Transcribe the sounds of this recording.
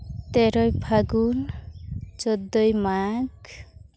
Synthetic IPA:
t̪ɛɾɔjbʱaɡun | d͡ʒɔd̪ɔjmaɡ

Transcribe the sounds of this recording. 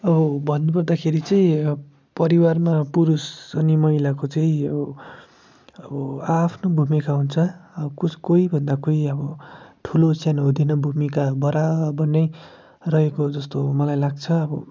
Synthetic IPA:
ʌbʌbʱʌnːupʌrd̪akʰeɾit͡sʌĩ | pʌɾiwarmapuɾusʌnimʌilakot͡sʌĩʌ | ʌbʌapʰnobʱumikaɦunt͡sʰʌkukoibʱʌnd̪akoiʌbʌʈʰulosjanɦod̪inʌbʱumikabʌɾabʌrnʌj | rʌɦekod͡zʌst̪omʌlajlaɡ̚t͡sʰʌʌbʌ

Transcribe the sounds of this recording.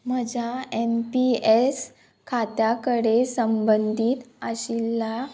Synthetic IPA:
məd͡ʑʱaempies | kʰat̪jakəɽesəmbənd̪ʱiːt̪əɕilːa

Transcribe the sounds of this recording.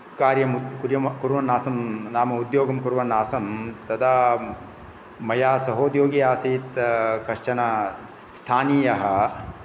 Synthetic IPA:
kaːɾjɐmukuɾjɐmɐkuɾʋɐnːaːsɐmnaːmɐud̪joːɡɐmkuɾʋɐnaːsɐmt̪ɐd̪aː | mɐjaːsɐɦoːd̪joːɡiaːsiːt̪kɐʂt͡ʃɐnɐ | st̪ʰaːniːjɐɦɐ̆

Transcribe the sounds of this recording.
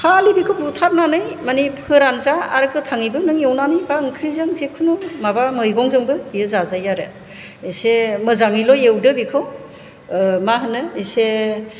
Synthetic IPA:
kʰalibikʰɯwputʰaɾnanɯjmanipʰɯɾanzaa̰ɾɯkʰɯtʰaŋibɯnɯŋjewnanɯjbaɯŋkʰɾizɯŋzekʰɯnumabamɯjɡɔŋzɯŋbɯbijɯzazajaɾɯ | esemɯzaŋilɔjewdɯbikʰɯw | maɦɯnɯese

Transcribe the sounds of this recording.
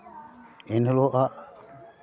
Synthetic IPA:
enəloʔa

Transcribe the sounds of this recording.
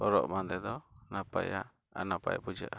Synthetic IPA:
ɔɾɔʔmand̪ɛd̪ɔnapa̰ja | a̰napa̰jbud͡ʒa̰ʔa

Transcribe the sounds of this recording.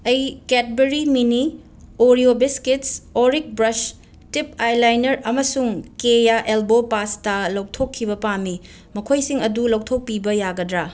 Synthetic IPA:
ɐjket̚beɾimini | oɾiobiskitsoɾik̚bɾɐs | tip̚ajlajnɐɾɐmɐsuŋkejaʔelbopastalɐwtʰokʰːibɐpami | mɐkʰojsiŋɐdulɐwtʰok̚pibɐjaɡɐdɾa

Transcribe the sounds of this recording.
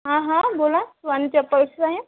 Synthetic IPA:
ɦãɦãbolãsʋant͡ɕapːəɾsaɦe

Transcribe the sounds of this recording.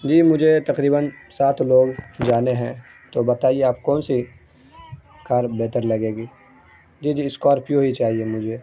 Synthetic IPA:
d͡ʒiːmʊd͡ʒʱet̪ɐqɾiːbənsaːt̪ʰloːɡd͡ʒaːneɦɛ̃ | t̪obɐt̪aːieaːp̚kɔːnsi | kaːɾbɛːt̪əɾlɐɡeːɡiː | d͡ʒiːd͡ʒiːɪskoɔːɾpjoɦit͡ʃaːɦiemʊd͡ʒʱeː

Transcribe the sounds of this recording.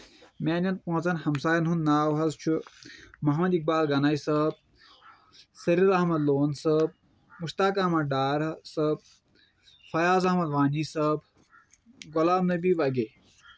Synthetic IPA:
mʲaːnɐnpõːt͡sɐnhɐmsaːjɐnɦunnaːwɦɐzt͡ʃʰumɐɦmɐd̪ik̚baːlɡɐnajsɐb̚ | sɐɾiɾɐɦmɐd̪loːnsɐb̚ | muʃt̪aːkɐmɐɖaːɾɐsɐb̚ | fɐjaːzɐhmɐd̪ʋaːniːsɐb | ɡolaːmnɐbiːʋɐɡe

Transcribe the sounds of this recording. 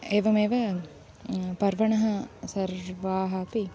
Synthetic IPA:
eːʋɐmeːʋɐ | pɐɾʋɐɳɐɦɐsɐɾʋaːɦɐːpi

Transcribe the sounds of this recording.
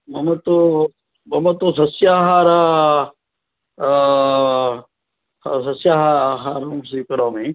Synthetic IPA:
mɐmɐt̪o | mɐmɐt̪osɐsjaːɦaːɾa | sɐsjaːɦaɦaːɾumsikɐɾoːmẽ

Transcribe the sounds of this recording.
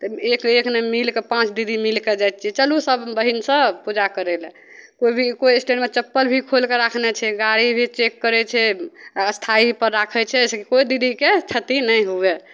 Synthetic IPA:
t̪ɔekeknemilkepãt͡ʃd̪id̪ʱimilked͡ʒajt̪̚t͡ʃʰiɛt͡ʃəlusəbbəɦinsə̃pud͡ʒakəɾel | koibʱikojsʈeɖmet͡ʃəpːəlbʱikʰolkeɾakʰnɛt͡ʃʰɛɡaɾibʱit͡ʃekːəɾɛt͡ʃʰɛəst̪ʰaipəɾːakʰɛt͡ʃʰɛskekojd̪id̪ʱiket͡ʃʰət̪inəjɦue

